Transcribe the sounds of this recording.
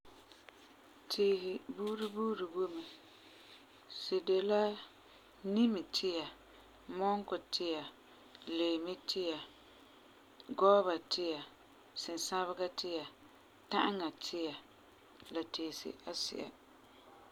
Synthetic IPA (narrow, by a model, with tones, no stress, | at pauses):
tʰiː˨hɪ˨buː˦ɾi˦buː˦ɾi˨bo˦mɪ˨ | sɪ˨de˨la˦ | ni˦mɪ˨tʰɪ˦ja˨ | mɔ˦ŋkʊ˨tʰɪ˦ja˨ | leː˨mɪ˦tʰɪ˦ja˨ | ɡɔ˦ba˨tɪ˦ja˨ | sɪ˨n˨sa˦βɪ˦ɡa˦tʰɪ˦ja˨ | ta˦ʔŋa˨tʰɪ˦ja˨ | la˨teː˨sɪ̰˦ʔa˦sɪ̰˨ʔa̰˨